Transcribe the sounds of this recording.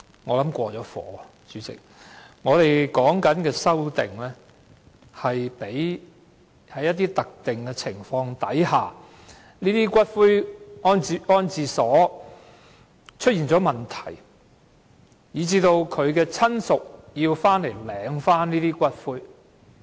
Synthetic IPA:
ŋɔː˨˧lɐ˨˥mkʷɔː˧t͡sɔː˨˥fɔ̰ː˨˥ | t͡ʃyː˨˧t͡sɪ̰˨k̚ŋɔː˨˧t̪e˨jkɔː˨˥ŋkɐ˨˥nkɛː˧sɐ˥wt̪ɪ̰˨ŋlɛː˥ | hɐ˨jpe˨˥j | hɐ˨˥jːɐ˥t̚t̪iː˥t̪ɐ˨k̚t̪ɪ˨ŋkɛː˧t͡sʰɪ˨˩ŋfɔː˧ŋt̪ɐ˨˥jhaː˨ | niː˥t̪iː˥kʷɐ˥t̚fuː˥jɔː˥nt͡si˧ʔɔː˥nt͡siː˨sɔː˨˥ | t͡ʃʰɵ˥t̚iː˨˩nt͡sɔː˨˥mɐ˨˩nt̪ʰɐ̥˨˩j | jiː˨˧t͡siː˧˥t̪o˧wkʰɵ˨˧ɥkɛː˧t͡sʰɐ˥nsʊ˨k̚jiː˧wfaː˥nle˨˩jlɛː˨˧ŋfaː˥nniː˥t̪iː˥kʷɐ˥t̚fuː˥j

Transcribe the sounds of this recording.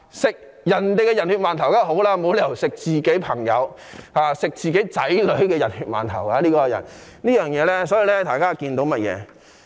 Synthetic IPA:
sɪ˨k̚ | jɐ˨˩nt̪e˨jkɛ˧jɐ˨˩nhyː˨t̚maː˨˩nt̪ʰɐ˨˩wkaː˥ho˨˥wlaː˧mo˨˧wle˨jwsɪ˨k̚t͡siː˨ke˨˥jpʰɐ˨˩ŋjɐ̰˨˧whaː˨sɪ˨k̚t͡siː˨ke˨˥jt͡sɐ˨˥jlɵ˨˥ɥkɛː˧jɐ˨˩nhyː˨˧t̚ma̰ː˨˩nt̪ʰɐ̰˨˩waː˧liː˥kɔː˧jɐ̰˨˩nnliː˥jœː˨ŋjɛː˨˧lɛː˥sɔː˨˥ji˨˧lɛ˥t̪ʰaː˨˩jkaː˥kiː˧nt̪o˨˧˥wmɐ˥t̚jɛ̰ː˨˧

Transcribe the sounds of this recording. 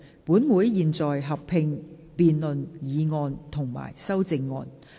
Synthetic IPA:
puː˨˥nmuː˨˥jjiː˨nt͡sɔː˨jɦɐ˨p̚ʰɪ˧ŋ | piː˨˧nlɵ˨njiː˨˧ŋɔː˧nt̪ʰʊ˨˩ŋma̰ː˨˩jsɐ˥wt͡sɪ˧ŋːɔː˧n

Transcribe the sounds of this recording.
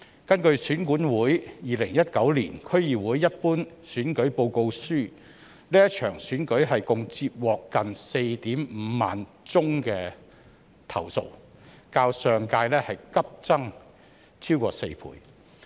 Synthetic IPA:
kɐ˥nkɵ˧ɥsyː˨˥nkuː˨˥nwuː˨˥jjiː˨lɪ˨˩ŋjɐ˥t̚kɐ˨˥wliː˨˩nkʰɵ˥ɥjiː˨wuː˨˥jːɐ˥t̚puː˥n | syː˨˥nkɵ˨˥ɥpo˧wko˧wsyː˥˩ | liː˥jɐ˥t͡ʃʰœː˨˩ŋsyː˨˥nkɵ˨˥ɥɦɐ˨jkʊ˨ŋt͡siː˧p̚wɔː˨kːɐ˨nse˧jt̪iː˨˥mm̩˨˧ma̰ː˨n | t͡sʊ˥ŋkɛː˧ | t̪ʰɐ̰˨˩wso̰˨˧w | kaː˧wsœː˨ŋkaː˧jlɛː˥hɐ˨jkɐ˥p̚t͡sɐ˥ŋ | t͡sʰiː˥wkɔː˧sḛ˧jpʰṵː˨˥j

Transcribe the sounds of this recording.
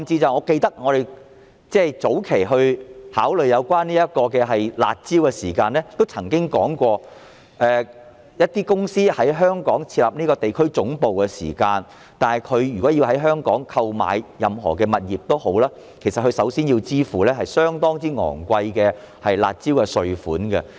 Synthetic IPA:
mt͡siː˧t͡sɐ˨wŋɔː˨˧ke˧jt̪ɐ˥k̚ŋɔː˨˧ɾe˨j | t͡sɛː˥˩t͡so˨˥wkʰe˨˩jɦɵ˧ɥhaː˨˥wlɵ˨ɥjɐ˨˧wkʷaː˥niː˥jɐ˥t̚kɔː˧kɛː˧ɦɐ˨jla̰ː˨t̚t͡siː˥wkɛː˧siː˨˩kaː˧nɛː˥t̪o˥wt͡sʰɐ˨˩ŋkɪ˥ŋkɔː˨˥ŋkʷɔː˧ | ʔɛː˨ | jɐ˥t̚t̪iː˥kʊ˥ŋsiː˥hɐ˨˥jɦœː˥ŋkɔː˨˥ŋt͡sʰiː˧t̚lɐ̰˨p̚niː˥kɔː˧t̪e˨jkʰɵ˥ɥt͡sʊ˨˥ŋpo˨wkɛ˧sḭː˨˩kaː˧n | t̪aː˨nhɐ˨jkʰɵ˨˧ɥjyː˨kɔː˨˥ji˧wɦɐ˨˥jɦœː˥ŋkɔː˨˥ŋkʰɐ˧wma̰ː˨jjɐ˨mɦɔ̰ː˨˩kɛː˧mɐ˨t̚jiː˨˩p̚t̪o˥who˨˥wlaː˥ | kʰe˨˩jsɐt̚kʰɵ˧ɥsɐ˨˥wsiː˥nji˧wt͡siː˥fuː˨lɛː˥ɦɐ˨jsœː˥ŋt̪ɔː˥ŋt͡siː˨˥ŋɔ̰ː˨˩ŋkʷɐ˧jkɛː˧ | hɐ˨jla̰ː˨t̚t͡siː˥wkɛ˧sɵ˨ɥfuː˨˥nkɛ˧

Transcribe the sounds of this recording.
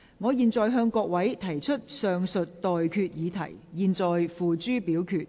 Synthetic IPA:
ŋɔː˨˧jiː˨nt͡sɔː˨jɦœː˧ŋkɔː˧k̚wɐ˨˥jt̪ʰɐ˨˩jt͡ʃʰɵ˥t̚sœː˨ŋsɵ˨t̚t̪ɔː˨jkʰyː˧t̚jiː˨˧t̪ʰɐ˨˩jjiː˨nt͡sɔː˨jfuː˨t͡ʃyː˥piː˨˥wkʰyː˧t̚

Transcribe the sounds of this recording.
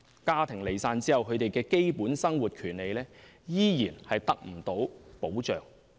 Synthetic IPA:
kaː˥t̪ʰɪ˨˩ŋle˨˩jsaː˧nt͡siː˥hɐ˨wkʰɵ˨˧ɥt̪e˨jkɛː˧ke˥jpuː˨˥nsɐ˥ŋwuː˨˩t̚kʰyː˨˩nle˨˧jlɛː˥ | jiː˥jiː˨˩nhɐ˨jt̪ɐ˥k̚m̩˨˩t̪o˨˥wpo˨˥wt͡ʃœː˨ŋ

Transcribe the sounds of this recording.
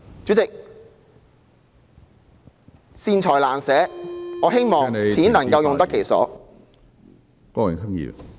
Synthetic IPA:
t͡syː˨˥t͡sɪ˨k̚ | siː˧nt͡ʃʰɔː˨˩jlaː˨˩nsɛː˨˥ŋɔː˨˧˥ɦe˥jmɔː˨ŋt͡sʰiː˨˥nlɐ˨˩ŋkɐ˧wjʊ˨ŋt̪ɐ˥kʰːe˨˩jsɔ̰ː˨˥ | kɔː˥ɪ̰˨ŋsɐ˥ŋjḭː˨˧˩

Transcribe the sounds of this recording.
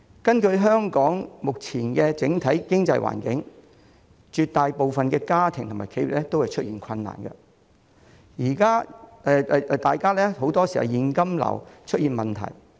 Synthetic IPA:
kɐ˥nkɵ˧ɥɦœː˥ŋkɔː˨˥ŋmʊ˨k̚t͡sʰiː˨˩nkɛː˧t͡sɪ˨˥ŋt̪ʰɐ˨˥jkɪ˥ŋt͡sɐ˧jwa̰ː˨˩nkɪ˨˥ŋ | t͡ʃyː˨˧t̪aː˨jpo˨˧wfɐ˨nkɛː˧kaː˥t̪ʰɪ˨ŋt̪ʰmaː˨˩kʰe˨˧˥jɥḭ˨˩lɛ˥t̪o˥whɐ˨jt͡ʃʰɵ˥t̚jiː˨nkʰɐ˧nːa̰ː˨˩nkɐ̰˧ | jiː˨˩kaː˥ɛ˧t̪aː˨jkaː˥lɛː˥ho˨˥wt̪ɔː˥siː˨hɐ̰˨˩wjiː˨˧nkɐ˥mlɐ̰˨˩wt͡ʃʰɵ˥t̚jiː˨nmɐ˨nt̪ʰɐ̰˨˩j

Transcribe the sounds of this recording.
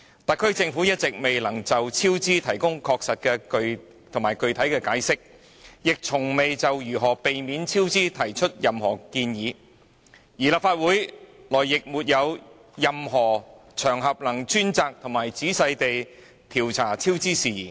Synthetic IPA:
t̪ɐ˨k̚ʰːɵ˥ɥt͡sɪ˧ŋfuː˨˥jɐ˥t̚t͡sɪ˨k̚me˨jlɐ˨˩ŋt͡sɐ˨wt͡sʰiː˥wt͡siː˥t̪ʰɐ˨˩jkʊ˥ŋkʰɔː˧k̚sɐ˨t̚kɛː˧kɵ˧ɥ | t̪ʰʊ˨˩ŋmaː˨˩jkɵ˨˧ɥt̪ʰɐ˨˥jkɛː˧kaː˨˥jsɪ˥k̚ | jɪ˨k̚t͡sʰʊ˨˩ŋme˨jt͡sɐ˨wjyː˨˩ɦɔː˨˩pe˨jmiː˨˥nt͡sʰiː˥wt͡siː˥t̪ʰɐ˨˩jt͡ʃʰɵ˥t̚jɐ˨mhɔ̰ː˨˩kiː˧njiː˨˧ | jiː˨˩laː˨p̚faː˧t̚wuː˨˥jlɔː˨˩jjɪ˨k̚muː˨t̚jɐ˨˧w | jɐ˨mɦɔː˨˩t͡ʃʰœː˨˩ŋɦɐ˨p̚lɐ˨˩ŋt͡ʃyː˥nt͡saː˧k̚t̪ʰʊ˨˩ŋmaː˨˩jt͡siː˨˥sɐ˧jt̪e˨j | t̪ʰiː˨˩wt͡sʰaː˨˩t͡sʰiː˥wt͡siː˥siː˨jḭː˨˩n

